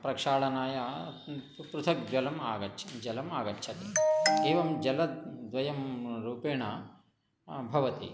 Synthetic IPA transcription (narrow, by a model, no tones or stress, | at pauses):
pɾɐkʂaːɭɐnaːja | pɾut̪ʰɐk̚d͡ʒʋɐlɐmaːɡɐtʃʰɐd͡ʒɐlɐmaːɡɐtːʃʰɐt̪ieːʋɐmd͡ʒɐlɐd̪ʋɐjɐmɾuːpeːɳɐ | bʱɐʋɐt̪ḭ